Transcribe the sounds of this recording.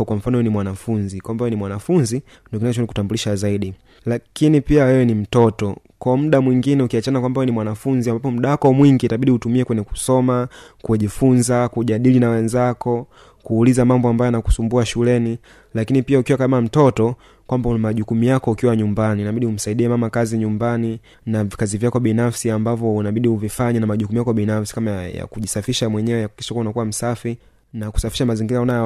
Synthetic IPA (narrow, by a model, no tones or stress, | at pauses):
kwam̩fanɔwɛnimwanafunzikwambawɛwɛnimwanafunzi | ndɔk̬inaɔt͡ʃɔniku̥tambuliʃazaiɗi | lakinipiawɛwɛnim̩tɔtɔ | kwam̩ɗamwiŋɡinɛukiat͡ʃanakwambawɛnimwanafunziambapɔm̩ɗawakɔmwiŋɡitaɓiɗiutumiɛkwɛɲɛku̥sɔmakuɛʄifunzakuʄaɗilinawɛnzakɔ | kuːlizamambɔambajɔnaku̥sumbuaʃulɛni | lakinipiaukiwakamam̩tɔtɔ | kwambaunmaʄukumijakɔukiwaɲumbaninaɓiɗihum̩saiɗiɛmamakaziɲumbani | navikazivjakɔɓinafsiambavjɔunaɓiɗiuvifaɲɛnamaʄukumujakɔɓinafsi̥kamaja̰kuʄisafiʃamwɛɲɛwɛakiʃakuwunakuwam̩safi | naku̥safi̥ʃamaziŋɡiɾaɔna